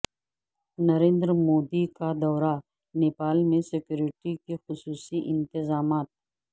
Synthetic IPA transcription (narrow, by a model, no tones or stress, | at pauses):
nɐɾẽːnd̪ɾmoːd̪ikad̪ɔːɾa | neːpaːlmẽsɪkjuːɾɪʈikexʊsuːsiʔɪ̃nt̪ɪzaːmaːt̪̚